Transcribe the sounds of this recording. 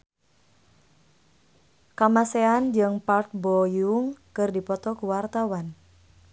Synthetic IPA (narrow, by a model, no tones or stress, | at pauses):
kamaseand͡ʒɨŋpart̪̚bɔjuŋkɨrdipɔt̪ɔkuwart̪awan